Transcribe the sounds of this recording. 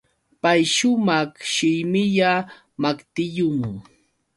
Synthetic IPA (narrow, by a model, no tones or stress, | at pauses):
pajʃʊmɑχʃɪjmɪʎa | makt̪ɪʎʊmʊ